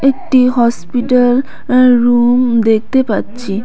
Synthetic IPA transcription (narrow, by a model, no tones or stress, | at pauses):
ek̚ʈiɦɔspiʈəl | ɾumd̪ek̚ʰt̪epatt͡ʃʰi